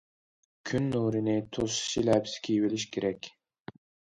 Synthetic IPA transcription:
kʲʰynːuːɾinɪt̪ʰosʃilæpskʲʰijviliʃɡʲeɾɛkʲ

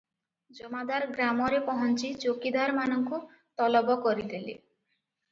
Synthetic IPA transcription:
d͡ʒɔmad̪aɾɡɾamɔɾepɔɦɔnt͡ʃit͡ʃokid̪aɾmanɔŋku | t̪ɔlɔbɔkɔɾid̪ilḭ

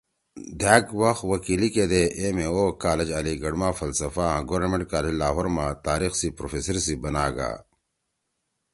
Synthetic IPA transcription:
d̪ʱaːɡwɐxwɐkiːliked̪eʔemẽoːkaːled͡ʑɐliɡɐɽmãːfɐlsɐfãːɡowɾnmẽɳʈ̚kaːled͡ʑlaːɦoɾmãt̪aːɾiːxsipɾoːfeːsɐɾsibɐnaːɡa̰ː

